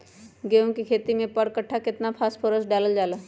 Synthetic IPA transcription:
ɡeːõkikʰeːt̪imẽpəɽkəʈʰːakɪt̪napʰaːspʰoːɾəsɖaːləld͡ʒaːla

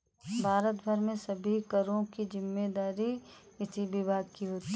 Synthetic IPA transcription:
bʱaːɾət̪bʱəɾmẽsɐbʱikəɾõkizɪmːed̪aːɾi | ɪsibɪbʱaːɡ̚kiɦoːt̪i

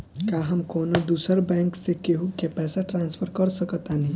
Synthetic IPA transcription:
kaːɦɐmkoːnod̪uːsəɾbɛ̃ːŋksekeɦukepɛːsaʈɾãːnsfʰəɾkɐɾsɐkt̪anɐɦĩ

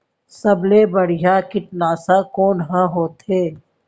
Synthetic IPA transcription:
sɐblebɐɽ̤ɪjakɪʈnaːsakɔːnɦãɦoːt̪ɦeː

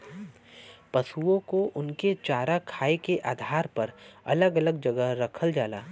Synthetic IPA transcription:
pɐsuõkoʔʊnket͡ʃaːɾakʰaːekeʔaːd̪ʱaːɾpɐɾɐ̰ləɡɐləɡd͡ʒɐɡəɾɐkʰəld͡ʒaːla̰ː

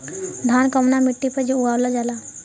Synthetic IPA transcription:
d̪ʱaːnkəmnamɪʈːipəd͡ʒouaːwlad͡ʒala

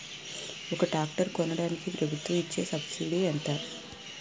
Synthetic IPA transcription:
ɔkɐʈaːk̚ʈɐɾkɔnːɐɽaːnikipɾɐbʱut̪ʋɐmit͡ʃːe̞ːsɐbsiːɖeɐnt̪aː

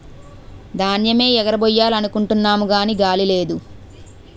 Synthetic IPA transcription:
d̪aːnjɐme̞ːɛɡɐɾɐbɔjːaːlɐnukuɳʈunːaːmuɡaːniɡaːlile̞ːd̪u

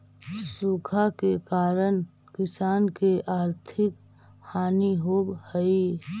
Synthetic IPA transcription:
sukʰakekaːɾən | kɪsaːnkeʔaːɾt̪ʰɪk | haːniɦoːbhəi

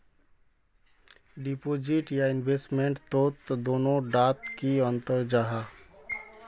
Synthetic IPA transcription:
ɖipoːd͡ʒiʈjaɪnbeːsʈmẽɳʈt̪oːt̪d̪oːnõɖaːt̪kiə̃nt̪əɾd͡ʒaːɦa

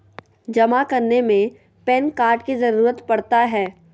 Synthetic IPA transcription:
d͡ʒɐmakɐɾnemẽ | pɛnkaːɾʈkizɐɾuːɾət̪pɐɽt̪aɦɛː

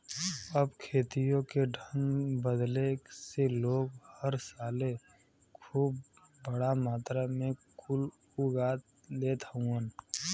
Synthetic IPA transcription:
əbkʰeːt̪ijõkeɖʱənbəd̪leseloːɡhəɾsaːle | kʰuːb̚ | bəɽamaːt̪ɾamẽkʰʊl | uɡaːt̪ | leːt̪əũən

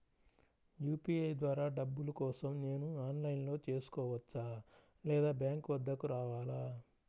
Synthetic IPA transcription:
juːpiːɐjd̪ʋaːɾaːɖɐbːulukɔːsɐmne̞ːnuaːnlɐjnlo̞ːt͡ʃe̞ːsu̥kɔːʋɐt͡ʃːaː | lɛːd̪aːbjaːŋkʋɐd̪ːɐkuɾaːʋaːlaː

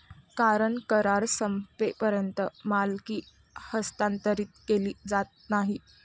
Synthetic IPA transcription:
kaɾəɳkəɾaɾsəmpepəɾjənt̪əmalkiː | həst̪ant̪əɾiːt̪̚keliːd͡zat̪̚naɦi

